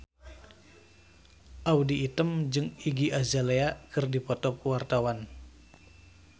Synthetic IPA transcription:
ʔawdiːt̪əmd͡ʒɨŋiɡiʔazaleakɨrdipɔt̪ɔp̚wart̪awan

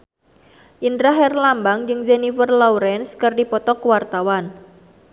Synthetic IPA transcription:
ʔindɾaɦɛrlambaŋd͡ʒɨŋd͡ʒenifərlauɾɛnskɨrdipɔt̪ɔkəwart̪awan

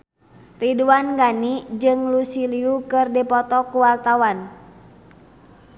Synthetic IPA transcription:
riduanɡanid͡ʒɨŋlusiliukɨrdɛpɔt̪ɔkuwart̪awan

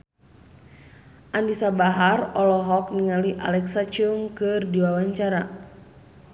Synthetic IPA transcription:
ʔandisabaɦarɔlɔɦɔk̚niŋaliʔa̰lɛksat͡ʃuŋkɨrdiwawaɲt͡ʃaɾa

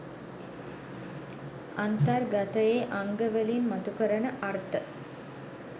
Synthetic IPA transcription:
ant̪arɡat̪əjeʔaŋɡəʋelinmat̪ukəɾənəʔart̪ə

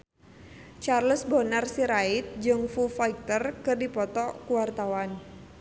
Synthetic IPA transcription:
t͡ʃarlʊsbonarsiɾait̪̚d͡ʒɨŋfufaik̚t̪ərkɨrdipɔt̪ɔkuwart̪awan

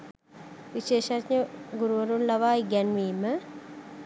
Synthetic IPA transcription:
ʋiʃeːʃatɲəɡuɾuʋəɾunlaʋaːiɡɛnʋiːmə

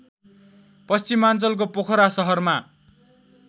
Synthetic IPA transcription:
pʌst͡simant͡sʌlk̬opokʰʌɾasʌɦʌrma

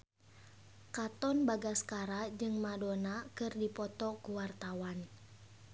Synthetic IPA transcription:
kat̪ɔnbaɡaskaɾad͡ʒɨŋmadonakɨrdipɔt̪ɔkuwart̪awan

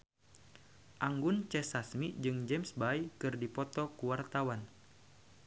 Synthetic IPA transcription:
ʔaŋɡunt͡ʃɛsasmid͡ʒɨŋd͡ʒɛmsbajkɨrdipɔt̪ɔkuwart̪awan

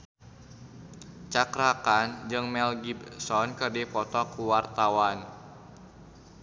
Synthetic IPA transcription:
t͡ʃakɾakand͡ʒɨŋmɛlɡibsɔnkɨrdipɔt̪ɔkuwart̪awan

